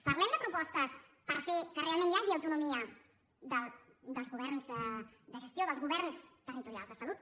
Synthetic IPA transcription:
pəɾlɛmd̪əpɾupɔst̪əs | pəɾfekərealˠmẽnjaʒiəwt̪unumiə | d̪ə | d̪əlˠzɣuβɛɾnzd̪əʒəst̪joðəlˠzɣuβɛɾnst̪ərit̪uɾialˠzðəsəlut̪

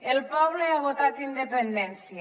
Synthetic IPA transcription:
elpawleaβot̪at̪ind̪epend̪ensi

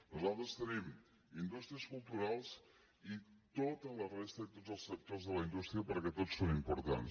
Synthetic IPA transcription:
nozalˠt̪ɾɐst̪enim | ind̪ust̪ɾiɐskulˠt̪uɾalˠs | it̪oðɐlɐrest̪ɐðət̪od̪zosek̚t̪oɾzðəlɐind̪ust̪ɾiɐpɐɾɐkɛt̪od̪usːõw̃impoɾt̪ã̰n

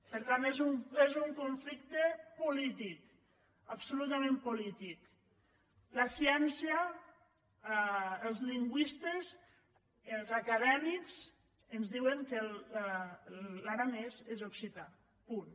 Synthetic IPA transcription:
peɾt̪anezuŋezuŋkoɱflikt̪epulit̪ik | apsolut̪amempolit̪ik | lasjɛnsja | lˠzliŋɡwist̪ez | elˠzakaðɛmikz | enzðiweŋke | laɾamezezoksit̪a | pun

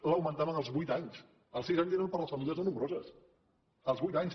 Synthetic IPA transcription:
ləwmənt̪aβənəlˠzβujt̪aɲs | əlˠsizaɲzeɾəmpəɾləsfəmiʎəznənumbɾozəs | əlˠzβujt̪aɲz

